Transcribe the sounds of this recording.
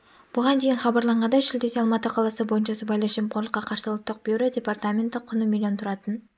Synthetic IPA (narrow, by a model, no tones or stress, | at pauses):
b̥ʊʁɑnd̪e̞jɪnχɑbɑɾlˠɑɴʁɑnd̪ɑʃɪld̪eseɑlˠmɑt̪əqʰɑlˠɑsəbo̞jənʃɑsəbɑjlˠəɑʒemqʰoɾlˠəqːɑqʰɑɾsəlˠt̪ːəq̚b̥eɾɪdʲe̞part̪amʲent̪ɪqʰʊnəmʲilʲiont̪ʰʊɾɑt̪ən